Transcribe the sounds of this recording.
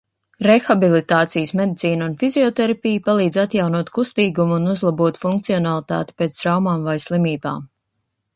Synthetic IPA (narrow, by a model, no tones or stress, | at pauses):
ɾexabilˠit̪aːt̪sijəsmed̪it̪iːnunfiziɔt̪ɛɾapijpalˠiːd̪zat̪jawnuɔt̪kust̪iːɡumuunuzlˠabuɔt̪fuŋkt̪siɔnalˠit̪a̰ːt̪i̥peːt̪sɾawmaːmvajslˠimiːba̰ːm